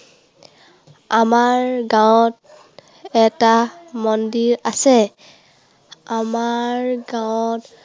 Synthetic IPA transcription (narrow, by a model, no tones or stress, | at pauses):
amaɹɡawt | ɛtamɔndiɹasɛ | amaɹɡawt